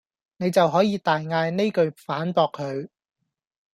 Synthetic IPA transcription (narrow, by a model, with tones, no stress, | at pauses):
ne˨˧jt͡sɐ˨wɦɔː˨˥jiː˨˧t̪aː˨jŋaː˧jne˥jkɵ˧ɥfaː˨˥npɔː˧kʰːɵ˨˧ɥ